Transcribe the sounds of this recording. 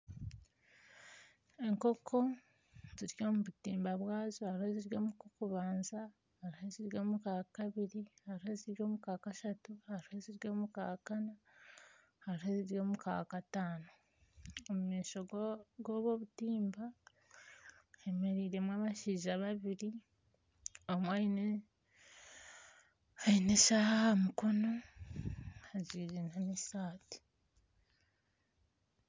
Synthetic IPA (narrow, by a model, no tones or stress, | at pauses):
e̞ŋkokʰo̞ | ziɾjo̞ːmuβutiːmbaβwaːzohaɾuheziɾɡoːmukokuβaːnza | haɾheziɾɡoːmukakkaβiɾihaɾuhe̞ziɾɡjo̞ːmukakaʃatuhaɾuheziɾɡoːmuka̰kana | haɾuhe̞ziɾjoːmuka̰kakataːno | omumiːʃo̞ɡo̞βo̞βutiːmba | eme̞ɾiɾe̞mwaːβaʃiːʒaβaβiɾi | omwain | aineʃahaamuko̞no̞ | aɟiːɾinamisaːti̥